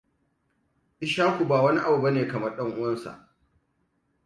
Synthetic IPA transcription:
ʔɪ˦ʃaː˦kʷu˨baː˨wɐ˦ni˦ʔa˨bu˨bɐ˦neː˨kɐ˨mɐ˦rɗɐ˦ŋʔʊ˦wɐ˦nsa̰˨ʔ

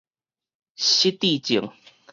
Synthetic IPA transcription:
ɕi˦t̪i˥˨t͡ɕi˨˩˦ŋ

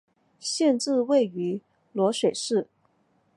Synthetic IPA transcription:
ɕjɛ˥˧nʈ͡ʂɻ̩˥˧we˥˩ɪy˧˥ | lwɔ˧˥ʂwe˨˩ɪʂɻ̩˥˩

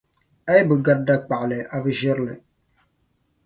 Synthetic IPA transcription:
a˦jbɨ˨ɡa˦t̚da˦k͡pa˨ʔlɛ˨a˨bɨ˦ʒɪ˦ɾlɨ̰˨

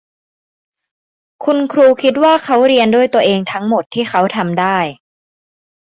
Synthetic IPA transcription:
kʰu˧nkʰɾuː˧kʰi˦˥t̪̚waː˥˩kʰa˦˥wɾi˧əndu˥˩əjt̪u˧ɐʔeː˧ŋt̪ʰa˦˥ŋmo˨˩t̪ʰːiː˥˩xʰa˦˥wt̪ʰa˧mdaː˥˩j

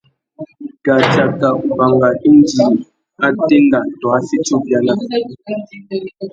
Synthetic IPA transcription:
ɡ̥a˨d͡ʒa˨ka˨ʔu˨ba˨ŋɡa˨i˦n˦d͡ʒi˨ | a˦te˦nda˨twa˨˦si˦t͡ʃu˦bja˦na˨˦˨

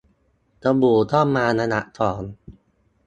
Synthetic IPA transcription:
t̪a˧buː˨˩t̪ʰɔː˥˩mːaː˧na˧na˦˥ʔt̪ʰɔː˩˦n

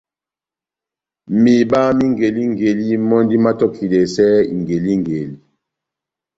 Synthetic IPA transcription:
mi˨ɓa˦mi˦ŋɡe˨li˦ŋ˨ɡe˨li˦mɔ˦ndi˦ma˦tɔ˦kʰi˨le˨sɛ˦ḭ˨ŋɡe˨li˦ŋ˨ɡe˨li˦

